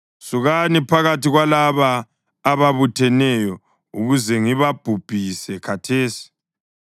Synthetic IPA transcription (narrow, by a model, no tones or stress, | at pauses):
suɣanipʰaɣatiɣwalaβaː | βaβutʰɛnɛjɔ | uɣuzɛŋiβab̥ʱub̥ʱisɛkʰatʰeːsi̥